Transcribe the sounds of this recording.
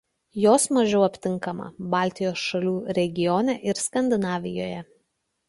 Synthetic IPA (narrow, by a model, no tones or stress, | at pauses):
joːsmɐʒʲɛʊɐpʲt̪ʲɪŋkɐmɐ̰bɑːˑlʲˑt̪ʲɪjoːsʃɐlʲuːɾʲɛɡʲɪjɔːnʲɛʔɪɾskɐnʲd̪ʲɪnɑːʋʲɪjo̰ːjɛ